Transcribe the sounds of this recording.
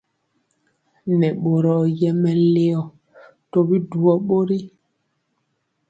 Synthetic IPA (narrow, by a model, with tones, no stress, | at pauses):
nɛ˨ɓo˨ɾɔ˨jɛ˦mɛ˨˦le˦ɔ˨ | to˦bi˦du˨ɔ˨ɓo˦ɾi˦